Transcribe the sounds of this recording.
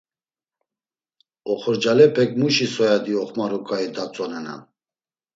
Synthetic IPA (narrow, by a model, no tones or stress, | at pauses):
ɔχɔɾd͡ʒalɛpʰɛkʰʼmuʃisɔjad̪iɔχmaɾukʼaid̪at͡sʼɔnɛna̰